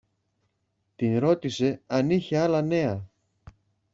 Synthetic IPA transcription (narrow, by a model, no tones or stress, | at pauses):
t̪inɾo̞t̪ise̞ɐniçe̞ɐlɐne̞ɐ